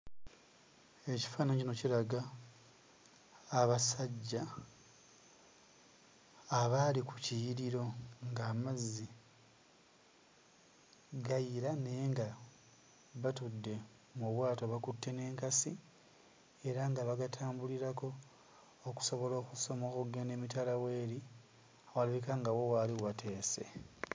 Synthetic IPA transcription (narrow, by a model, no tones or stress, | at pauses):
e̞ci̥faːnaɲcino̞ciɾaɡa | βasaɟːa | βaliku̥cijiɾiɾo̞ŋɡaːmazːi | ɡajiɾane̞ŋɡa | βatudːe̞ | muβwaːto̞βakutːe̞ne̞ːŋkasi | e̞ɾaŋɡaβaɡatʰaːmbuliɾako̞ː | ku̥so̞βo̞lo̞ːkuso̞mokuɡenemitalawe̞ːɾi | awalaβikaŋɡawo̞waliwatʰe̞ːse̞̰